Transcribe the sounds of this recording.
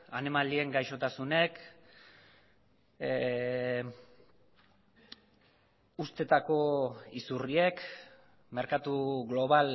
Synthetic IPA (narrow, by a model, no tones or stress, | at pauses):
anemalie̞ŋɡajʃo̞t̪asune̞k | ust̪e̞t̪ako̞isurie̞k | me̞ɾkat̪uɣlo̞β̞al